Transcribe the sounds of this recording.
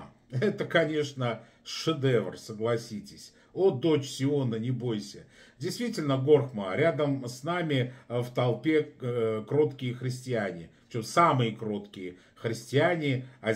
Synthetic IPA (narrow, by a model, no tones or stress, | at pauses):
ɛt̪əkɐnʲeʂnə | ʂɨd̪ɛvrsəɡlˠɐsʲitʲɪsʲ | o̞d̪o̞t͡ɕsʲɪonənʲɪbo̞jsʲədʲɪjst̪vʲitʲɪlʲnəɡo̞rxməɾʲad̪əmsnamʲɪft̪ɐlˠpʲe̞kɾo̞t̪kʲɪjəxɾʲɪsʲtʲɪanʲɪ | t͡ɕomsamɨjəkɾo̞t̪kʲɪjə | xɾʲɪsʲtʲɪanʲɪɐ